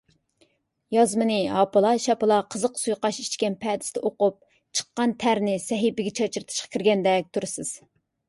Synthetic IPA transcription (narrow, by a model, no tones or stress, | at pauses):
jɑzmɨnɨɦɑpɨlˠɑʃɛpɨlˠɑqʰəzəqsujqɑʃit͡ʃkʲɛnpʰɛd̪ɪ̥st̪ɛʔoqʊp̚ | t͡ʃʰə̥qːɑnt̪ʰæɾnɪsɛɦibɪɡʲɛt͡ʃʰɑt͡ʃʰɨɾt̪ʰɨ̥ʃqɑ̥kʲiɾɡʲɛnd̪ɛk̚ʲt̪ʰuɾɨsɨz̥